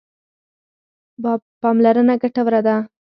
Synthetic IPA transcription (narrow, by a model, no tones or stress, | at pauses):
bpɑmlaɾənaɡaʈawɾad̪a